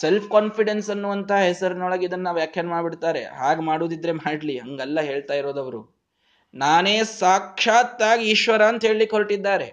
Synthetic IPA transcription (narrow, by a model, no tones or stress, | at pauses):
selpʰkaːnpʰiɽensɐnːuɐnt̪ʰɐɦɐɦesɐɾnɔɭɐɡid̪ɐnːɐʋjaːkʰjɐnmaːɖbiɽt̪aːɾe̞̰ɦaːɡmaːɽuːd̪id̪ɾe̞maːɖliɦɐŋɡɐlːɐɦe̞ːɭt̪aːjiɾoːd̪ɐʋɐɾṵ | naːne̞ːsaːkʂaːt̪ːaːɡiːʃʋɐɾaːnt̪ɐɦe̞ːɭlikoɭʈid̪ːaːɾe̞